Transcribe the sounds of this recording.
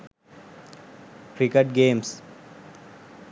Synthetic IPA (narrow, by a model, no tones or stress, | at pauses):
kɾikəʈ̚ɡẽːms